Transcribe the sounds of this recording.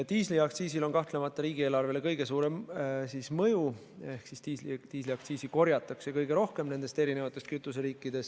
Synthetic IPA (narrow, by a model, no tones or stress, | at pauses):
t̪iːsliɑk̚t̪siːsilo̞nkɑht̪le̞mɑt̪ːˑɑɾiːɡ̥ie̞ːlɑrve̞le̞kɤjɡ̥e̞suːɾe̞msismɤju | e̞hksist̪iːslit̪iːsliɑkt̪siːsiko̞rjɑt̪ːˑɑksekɤjɡ̥e̞ɾo̞hke̞mne̞nd̪e̞st̪e̞ɾine̞vɑt̪ːˑe̞st̪̚kyt̪ːˑus̬e̞ɾiːkːˑid̪̥e̞s